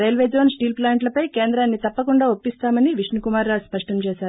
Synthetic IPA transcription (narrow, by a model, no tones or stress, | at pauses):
ɾɐjlʋeːd͡ʒoːnsʈiːlplaːɳʈlɐpɐjkeːnd̪ɾaːnːit̪ɐpːɐkuɳɖaːo̞pːist̪aːmɐniʋiʂnikumaːɾɾaːspɐʂʈɐmt͡ʃɛːʃaːɾu